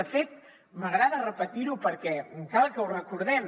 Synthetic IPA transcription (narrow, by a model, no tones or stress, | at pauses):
əfet̪̚ | məɣɾaðərəpət̪iɾupəɾkɛkalˠkəwrəkuɾðɛm